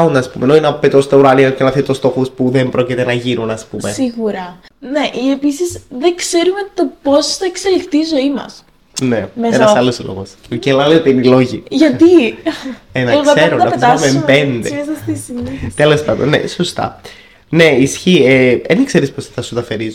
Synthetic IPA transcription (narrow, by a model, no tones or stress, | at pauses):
und̪ɐspumenoinɐpet̪ost̪ɐuɾɐniɐcenɐθit̪ost̪o̞xuspuðembɾo̞cit̪enɐʝinunɐspumesiɣuɾɐ | neʔiepisisðeŋkse̞ɾumet̪oposθɐekselixt̪iːzo̞imɐ̰s | nemeenɐsɐloslo̰ɣoscelɐleot̪einilo̞ʝiʝɐt̪i | enɐkseɾunnɐpsɾumepend̪esɐst̪isit̪elo̞spɐnd̪o̰nḛsost̪ɐ̰ | ne̞isçieenkse̞ɾispostet̪ɐsut̪ɐfeɾiz